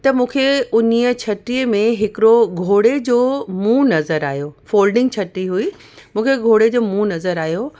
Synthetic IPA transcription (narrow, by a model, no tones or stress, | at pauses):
t̪ɐmũːkʰeʊnijə̆t͡ɕʰɐʈiəmẽɦɪkɪɽoɡʱoːɽed͡ʑoːmũːnɐzəɾa̰ːijofoːlɖɪ̃ŋɡ̚t͡ɕʰɐʈɾiɦui | mũːkʰeɡʱoːɽed͡ʑoːmũːnɐzəɾaːɦijo